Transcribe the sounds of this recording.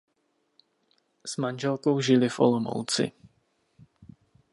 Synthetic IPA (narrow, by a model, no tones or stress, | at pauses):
z̥manʒɛlkowʒɪlɪfʔo̰lomo̰wt͡sɪ̰